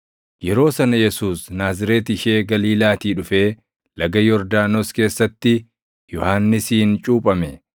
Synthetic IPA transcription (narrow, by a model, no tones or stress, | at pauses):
jɛɾo̞ːsɐnɐjɛsuːsnaːzɪɾeːt̪ɪʃe̞ːɡɐliːlaːt̪iːᶑʊfe̞ː | lɐɡɐjɔɾd̪aːnoːske̞ːsːɐt̪ːɪ | jɔhaːnːɪsiːnt͡ʃʼuːpʼɐmɛ